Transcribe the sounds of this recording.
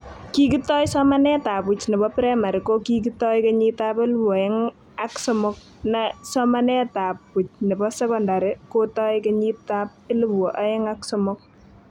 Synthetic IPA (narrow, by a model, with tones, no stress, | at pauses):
ki˦ki˦tɔ˦jsɔ˦ma˦nɛ˦ta˨pu˨t͡ʃne˨bɔ˦pɾɛ˦ma˨ɾɪ˨ko˦ki˦kitɔ˦jke˦ɲi˦ta˦pe˦lbɔ˨ɛ˦ŋ | aksɔ˦mʊ˦k̚ | na˨sɔma˦nɛ˦ta˨pːu˨t͡ʃne˨bɔ˦sɛ˦kɔ˨nda˨ɾɪ˨kotɔ˦jke˦ɲi˦ta˦p̚e˦lu˦bɔ˨ʔa˦ɛ˦ŋaksɔmʊk̚